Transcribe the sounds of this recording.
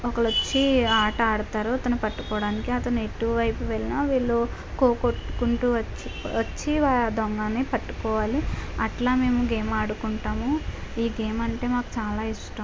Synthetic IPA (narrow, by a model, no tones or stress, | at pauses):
ɔkɐɭɐt͡ʃːiaːʈaːɽut̪aːɾuɐt̪ɐnupɐʈːu̥kɔːɽaːnikiɐt̪ɐnue̞ʈːuʋɐʋɐjpuʋeɭinaːʋiːɭːo | koːkoʈːkuɳʈuʋɐ | ʋɐt͡ʃːiʋaːd̪ɔŋɡaːneːpɐʈːu̥kɔːʋaːliɐʈlaːme̞ːmuɡeːmaːɽukuɳʈaːmuiːɡe̞ːmɐɳʈe̞ːmaːku̥t͡ʃaːlaːiʂʈɐm